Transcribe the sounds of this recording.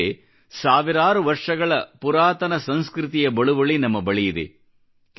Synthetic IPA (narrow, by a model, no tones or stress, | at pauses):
e | saːʋiɾaːɾɯʋɐɾʂɐɣɐɭɐpuɾaːt̪ɐnɐsɐnskɾɪt̪ijɐbɐɭuʋɐɭinɐmːɐbɐɭijid̪ḛ